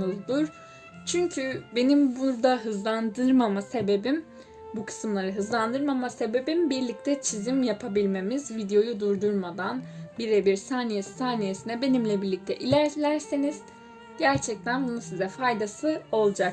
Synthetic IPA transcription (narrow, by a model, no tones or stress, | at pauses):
ɯzd̪uɾ̥ | t͡ʃʰyɲcʰybe̞nimbuɾd̪aɦɯzlˠand̪ɯɾmamase̞be̞bim | bukʰɯ̥sɯmlˠaɾɯɦɯzlˠand̪ɯɾmamase̞be̞bimbiɾlʲic̚t̪ʰɛt͡ʃʰizimjapʰabilʲme̞mizvid̪ejo̞jud̪uɾd̪uɾmad̪anbiɾɛbiɾsaːnijessaːnije̞sinɛbe̞nimlʲɛbiɾlʲic̚t̪ʰɛ̰ʔilʲæɾlʲæɾsiniz̥ | ɟæɾt͡ʃʰɛc̚t̪ʰænbunusizɛfajd̪asɯo̞lˠd͡ʒak